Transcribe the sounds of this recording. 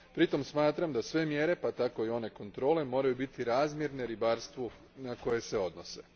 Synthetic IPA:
pɾit̪o̞msmaːt̪ɾamd̪asʋe̞mje̞ɾe̞pat̪ako̞io̞ne̞ko̞nt̪ɾo̞ːle̞mo̞ːɾajubit̪iɾaːzmje̞ɾne̞ɾibaːɾst̪ʋu | nako̞je̞se̞o̞d̪nose̞̰

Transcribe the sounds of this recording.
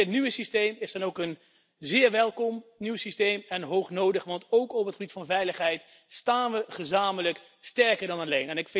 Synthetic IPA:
ətnyʋəsistejmɪsdɔnowkən | zɪːɹʋɛlˠkɔmnywsistejmɛnɦowχnowdəχʋɑntowkɔpətχəbitfɑnvɛjləχɦɛjt | staːnʋəχəzaːmələk | stɛɹkəɹdɑnalejnɛnɪkf

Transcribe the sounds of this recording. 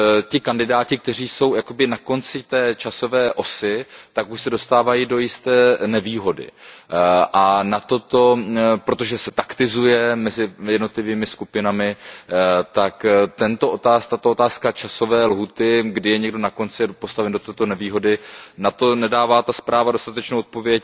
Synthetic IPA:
cɪkandɪdaːcɪk̚t̪ɛr̝iːso̞wjako̞bɪnako̞nt͡sɪt̪ɛːt͡ʃaso̞vɛːʔo̞sɪt̪akuʃsɛdo̞st̪aːvajido̞jɪst̪ɛːnɛviːɦo̞dɪ̰ | ʔanat̪o̞t̪o̞pɾo̞t̪o̞ʒɛsɛt̪akt̪ɪzujɛmɛzɪjɛdno̞t̪lɪviːmɪskupɪnamɪ | t̪akt̪ɛnt̪o̞ʔot̪aːst̪at̪oʔot̪aːskat͡ʃaso̞vɛːlɦuːt̪ɪɡdɪjɛɲɛɡdo̞nako̞nt͡sɪpo̞st̪avɛndo̞t̪ɛːt̪onɛviːɦo̞dɪnat̪o̞nɛdaːvaːt̪aspɾaːvado̞st̪at̪ɛt͡ʃnowʔot̪̚povjɛc

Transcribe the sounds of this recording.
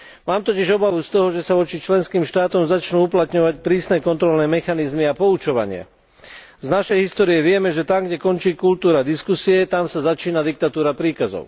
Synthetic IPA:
maːmt̪ɔciʒɔbaʋust̪ɔɦɔʒɛsaʋɔt͡ʃit͡ʃlɛnskiːmʃt̪aːt̪ɔmzat͡ʃnuːuplat̪ɲɔʋacpɾiːsnɛːkɔnt̪ɾɔlnɛːmɛxanizmiapɔut͡ʃɔʋa̰ɲɪa̰ | znaʃɛjɦist̪ɔːɾijɛʋɪɛmɛʒɛt̪amɡɟɛkɔnt͡ʃiːkult̪uːɾad̪iskusiɛt̪amsazat͡ʃiːnad̪ik̚t̪at̪uːɾapɾiːkazɔ̰ʊ

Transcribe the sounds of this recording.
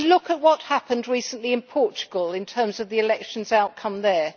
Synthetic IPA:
lʊkət̚wɒt̚hapə̃ndɹiˑsə̃n̩ʔliɨ̃npʰɔˑt͡ʃə̥ɡəlˠɪ̃ntʰɜ̃ːmzʌvðiɪlɛkʃə̃n̩zaʊt̚kʰʌ̃mðə

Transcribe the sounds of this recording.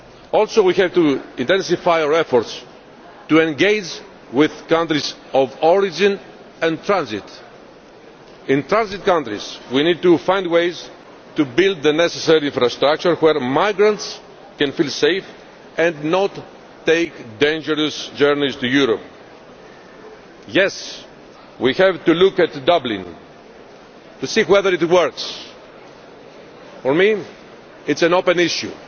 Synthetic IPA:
olsowiçevt̪uĩnt̪ẽnsifajaɾefoɾt̪s | t̪uẽŋɡejd͡ʒ | wiðkãnt̪ɾizovoɾid͡ʒĩn | ɛ̃nt̪ɾãnzit̪ | ĩnt̪ɾãnzit̪̚kãnt̪ɾḭz̥winid̪̚t̪ufãjndwejz | t̪ubild̪ðeneseseɾiĩnfɾɐst̪ɾak̚t͡ʃuɾweɾmajɡɾɐ̃nts | kɛ̃nfilsejf | ɛ̃ndnot̪ː | ejkd̪ẽjnd͡ʒəɾosd͡ʒɛɾnizt̪ujuɾop | jɛs | wihɛvt̪ulukɛt̪d̪ablḭ̃n | t̪usiweðəɾit̪wəɾks | foɾmi | itsɛ̃nopẽniʃjṵ

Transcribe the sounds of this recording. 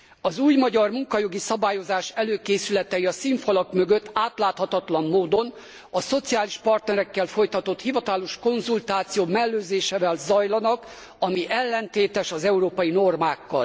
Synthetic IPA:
ɒzuːjmɒɟɒrmuŋkɒjo̞ɡisɒbaːjo̞zaːʃɛløːkeːsylɛt̪ɛjiɒsiɱfolɒkmøɡø̞t̪ːaːt̪laːt̪hɒt̪ɒt̪lɒmːoːd̪o̞n | ɒso̞t̪siaːliʃpɒrt̪nɛɾɛkːɛlfo̞jt̪ɒt̪o̞t̪hivɒt̪ɒloʃko̞nzult̪aːt̪sijoːmɛlːøːzeːʃɛːvɛlzɒjlɒnɒk | ɒmiʔɛlːɛnt̪eːt̪ɛʃɒzɛuɾoːpɒjino̞rmaːkːɒ̰l

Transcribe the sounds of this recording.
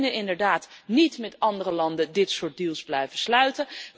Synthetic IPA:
nənɪndəɹdaːtnitmɛtɑndərəlɑndədɪtsʊːɹt̚dilˠzblɛjvəslœɥtə

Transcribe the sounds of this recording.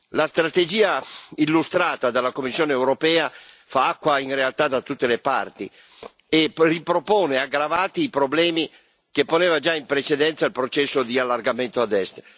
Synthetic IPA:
last̪ɾat̪ed͡ʒiːailːust̪ɾaːt̪ad̪alːakomːisːjoːneɛwɾopɛːa | faakːwainrealt̪ad̪at̪ut̪ːelepa̰rt̪i | eripɾopoːneaɡɾavaːt̪iːpɾoblɛːmi | kepːonɛːvad͡ʒaimpɾet͡ʃed̪ɛnt̪sailpɾot͡ʃɛsːod̪ialːarɡament̪oad̪ɛst̪

